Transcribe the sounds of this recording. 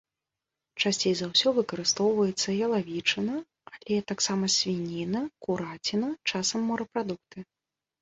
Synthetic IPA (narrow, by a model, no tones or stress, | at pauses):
t͡ʂasʲt͡sʲejzawsʲɔvɨkɐɾɨst̪ɔwvɐjɛt̪sːɐjɐlˠavʲit͡ʂɐnɐ | alʲɛt̪aksamɐsʲvʲinʲinɐkuɾat͡sʲinɐt͡ʂasɐmːɔɾɐpɾad̪ukt̪ɨ